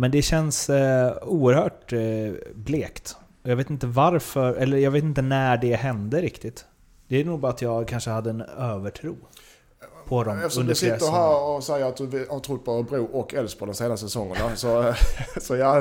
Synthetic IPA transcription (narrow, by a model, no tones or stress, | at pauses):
mɛnd̪ɛɕɛns | uːəɾhœːʈ | bleːkt̪ | ɔjɑːveːt̪ɪnt̪əvaɾfœɾɛlːəɾjɑːɡveːt̪̬ɪnt̪ənæːɖɛɦɛnd̪əɾɪkt̪ɪt̪ | d̪̥ɛænuːɡ̚bɑːɾat̪jɑːɡkʰanʂəhad̪ːəɛnøːvəʈʰɾuː | pʰɔd̪ɔmɛfɵnd̪sɪəɾɦæːɾɔsɛjːəɾat̪̚d̪ɵɪhaɾt̪ʰɾʊt̪̚ːbʰɔɾəbɾuːʔɔkːɛlspʰɔd̪ɔmseːnast̪sɛsɔŋːəɳasɔ | sɔjɑ